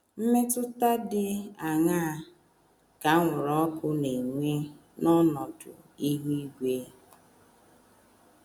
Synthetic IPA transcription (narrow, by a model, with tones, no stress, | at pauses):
m̩˦me˦tʊ˦ta˦dɪ˦a˨ŋa˦˨ | ka˨˦ŋʷʊ˨ɾɔ˦kʊ˦ne˨ŋʷe˦ | nɔ˦nɔ˨tʊ̰˨ | i˦ɦi˦i˦ɡʷe˦